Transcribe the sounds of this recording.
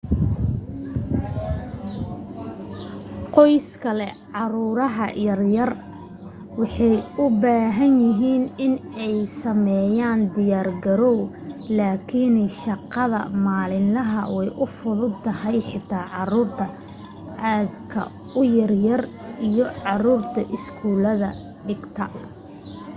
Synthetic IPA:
qɔjskʰɐlɛ | ʕɑruːɾɐɦɐ̰jɐrjɐr | wɑħɑjʊbaːɦɐnjɪɦiːnɪnɛjsɐmɛːjaːnd̪ɪjaːrɡɐɾɔw | laːkʰɪnʃɑqɑðɐ̰maːlɪnlɐɦɐwɛjʔʊfʊðʊd̪t̪ʰːɐhɛjħɪt̪ʰaːʕɑruːrt̪ʰɐ | aːd̪kʰɐ̰ | ʊjɐrjɐr | ʔijɔʕɑruːrt̪ʰɐʔɪskʰuːlɐðɐ | ɖɪɡt̪ʰɐ

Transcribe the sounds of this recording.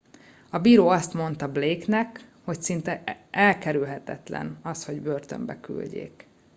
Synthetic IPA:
ɒbiːɾoːɒst̪mo̞n̪t̪ɒbleːknɛkho̞csint̪ɛʔɛlkɛɾylɦɛt̪ɛ̰t̪lɛ̰nɒsho̞ɟbørt̪ø̰mbɛ̰ky̰lɟḛːk

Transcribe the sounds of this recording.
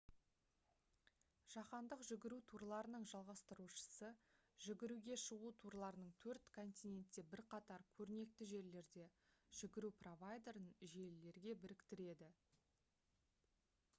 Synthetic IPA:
ʒ̥ɑqɑnd̪əqʒʏɪɡʲɪɾut̪ʰuɾlˠɑɾənəɴʒɑlˠʁɑst̪əɾuʃə̥səʒɪɡʲɪɾuɡʲe̞ʃəʁut̪ʰuɾlˠɑɾənəɴt̪ʰɵɾt̪kʰo̞nt̪ijne̞nt̪ːe̞bɪɾqʰɑt̪ɑɾkʲʰɵɾne̞k̚t̪ɪʒe̞ɾle̞ɾd̪e̞ʒ̥ɪɡʲɪɾupro̞vajd̪e̞ɾənʒe̞lle̞ɾɡʲe̞bɪɾɪkt̪ɪɾe̞d̪ɪ

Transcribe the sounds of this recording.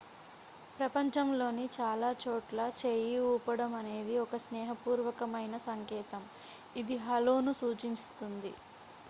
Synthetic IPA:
pɾɐpɐɲt͡ʃɐmlo̞ːnit͡ʃaːlaːt͡ʃoːʈlɐt͡ʃeːjiuːpɐɽɐmɐne̞ːd̪iɔkɐsnɛːɦɐpuːɾʋɐkɐmɐjnɐsɐŋkɛːt̪ɐm | id̪iɦɐloːnusuːt͡ʃiɲst̪und̪ḭ

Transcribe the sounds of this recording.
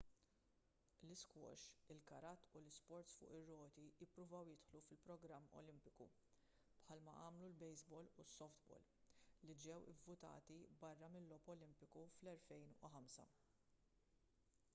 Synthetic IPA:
lɪskwɔ̰ʃɪlkɐɾɐt̪ːulɪspɔɾt̪sfʊ̰ːʔɪrːɔːt̪ijɪpːɾʊvɐwjɪt̪ħlufɪlpɾɔɡɾɐmːɔ̰lɪmpɪkṵ | pħɐlmɐ̰ʔɐːmlulbɛjzbɔːlusːɔft̪bɔ̰ːlːid͡ʒɛwɪvːʊt̪ɐ̰ːt̪ibɐrːɐmɪlːɔːpɔlɪmpɪkuflɛlfɛjnʊħɐmsɐ̰

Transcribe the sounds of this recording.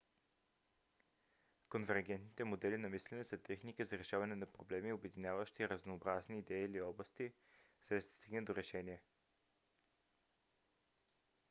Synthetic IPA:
konvɛɾɡɛnt̪nit̪ɛmod̪ɛlinɐmislʲɛnɛsɐt̪ɛxnikəzɐɾɛʃavɐnɛnɐpɾoblɛmiobɛd̪injavəʃt̪iːɾəznoːbɾazniːd̪ɛiliɔblˠəst̪i | zɛʃd̪ə̥st̪iɡnəd̪oɾɛʃɛniɛ

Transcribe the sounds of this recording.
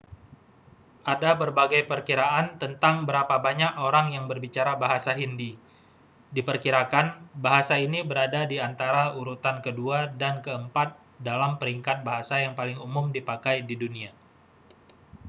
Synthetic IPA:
ʔadabərbaɡajpərkiɾaant̪ənt̪aŋbəɾapabaɲakoɾaŋjaŋbərbit͡ʃaɾabaɦasaɦindi | dipərkiɾakanbaɦasainibəɾadadiant̪aɾauɾut̪ankəduadankəəmpat̪̚ | dalampəɾiŋkat̪̚baɦasajaŋpalɪŋumʊmdipakajdidunia

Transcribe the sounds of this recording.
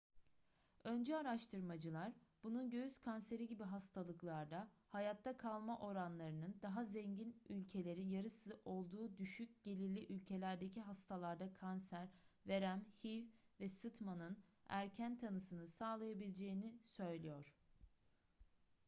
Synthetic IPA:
ø̞nd͡ʒɛaɾaʃt̪ʰɯɾmad͡ʒɯlˠaɾb̥ununɟø̞jyz̥kʰanse̞ɾiɟibiɦast̪ʰalˠɯklˠaɾd̪ahajat̪ʰːakʰalˠmaʔo̞ɾanlˠaɾɯnɯnd̪aɦazɛɲɟinylʲcʰe̞lʲe̞ɾinjaɾɯsɯʔo̞lˠd̪uːd̪yʃyc̚ɟ̥e̞lʲiɾlʲiʔylʲcʰe̞lʲæɾd̪e̞cʰiɦast̪ʰalˠaɾd̪akʰansæɾve̞ɾæmhivvɛsɯt̪manɯnæ̰ɾcʰænt̪ʰanɯsɯnɯsaːlˠajabilʲed͡ʒe̞jinisø̞jlʲijo̞ɾ̥

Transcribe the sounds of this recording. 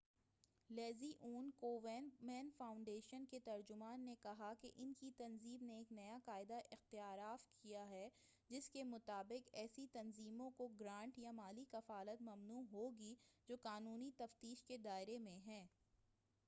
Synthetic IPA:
lɛːziʔuːnkoːʋɛːnmɛːnfaːʊ̃ɳɖeːʃənket̪ɐɾd͡ʒʊmaːnːekɐɦakeʔɪnkit̪ɐnziːmneːknɐjaqaːɪd̪aʔɪxt̪ɪjaːɾaːfkʰijaɦɛ | d͡ʒɪskemʊt̪aːbɪqɛːsit̪ɐnziːmõkoɡɾãːɳʈjamaːlikɐfaːlət̪mɐmnuːɦoːɡid͡ʒoːkaːnuːnit̪ɐft̪iːʃked̪aːɪɾemẽɦɛ̃ː

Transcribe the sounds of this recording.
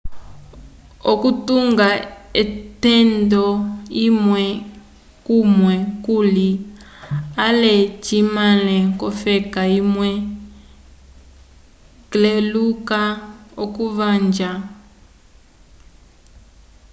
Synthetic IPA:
okutuŋɡaɛtɛndɔimwɛ | kumwɛkuli | alɛt͡ʃimalɛkɔfɛkaimwɛ | klelukaokuvand͡ʒa

